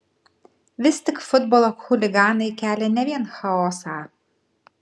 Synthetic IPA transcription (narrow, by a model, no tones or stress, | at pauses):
ʋʲɪst̪ʲɪkfʊd̪̚boːlˠoxʊlʲɪɡɑːnɐɪkʲæːlʲɛnʲɛʋʲiɛnxɐɔːsɑː